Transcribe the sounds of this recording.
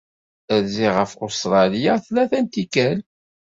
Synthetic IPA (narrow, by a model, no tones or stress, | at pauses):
æɾziʁəfost̪ɾˤɑlijaθlæθænt̪ikːæl